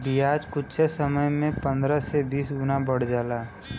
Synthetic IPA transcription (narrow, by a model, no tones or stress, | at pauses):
b̪ijaːd͡ʒkʊtt͡ʃesəməjmẽpə̃nd̪ɾəsebiːsɡʊnabəɽ̤d͡ʒaːlaː